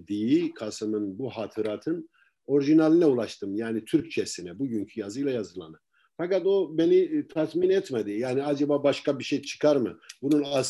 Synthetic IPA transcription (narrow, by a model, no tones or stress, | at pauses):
d̪ijikʰasɯmɯnbuɦaːt̪ʰɯɾaːt̪ʰɯn | o̞ɾʒinalʲˠinɛulˠaʃt̪ʰɯmjaːnit̪ʰyɾc̚t͡ʃʰɛsinɛbuɟyɲcʰyjazɯjlˠajazɯlˠa̰nɯ | fakat̪o̞be̞nit̪ʰat̪minɛt̪med̪ijaːniad͡ʒabaːbaʃkabiʃejt͡ʃʰɯ̥kʰaɾmɯ̰bununas